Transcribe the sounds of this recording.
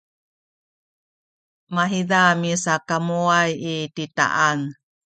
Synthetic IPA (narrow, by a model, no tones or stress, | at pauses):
maɦidamisakamuajitita̰ʔan